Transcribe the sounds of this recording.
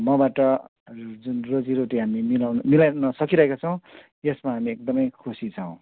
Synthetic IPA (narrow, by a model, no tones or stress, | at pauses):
mʌbaʈʌ | d͡zunrod͡ziɾoʈiɦamimilawnmilanʌsʌkiɾʌɦekat͡sʰʌw̃ | jesmaɦamiek̚d̪ʌmʌjkʰusit͡sʰʌw̃